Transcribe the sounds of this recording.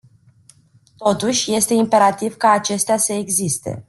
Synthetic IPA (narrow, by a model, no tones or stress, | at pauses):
t̪o̞t̪uʃʲje̞st̪e̞impe̞ɾat̪ivkaːt͡ʃe̞st̪easəe̞ɡzist̪e̞̰